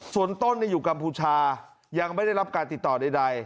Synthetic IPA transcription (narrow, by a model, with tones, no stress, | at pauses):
su˨˩ənt̪o˥˩nːaː˧˥˩juː˨˩ka˧mpʰuː˧t͡ɕʰaː˧ | ja˧ŋma˥˩jda˥˩jɾa˦˥p̚kaː˧nt̪i˨˩t̪ːɔː˨˩da˧˩jda˧j